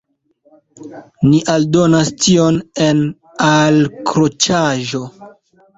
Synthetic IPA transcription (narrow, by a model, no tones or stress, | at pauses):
niʔaldo̞nastio̞nen | alkɾot͡ʃaʒo̞